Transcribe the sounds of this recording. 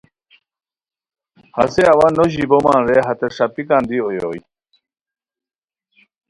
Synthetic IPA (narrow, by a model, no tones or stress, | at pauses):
hɐ̰seɐwanːoʑibomanɾeɦɐt̪eʂapikãːnd̪iojoːj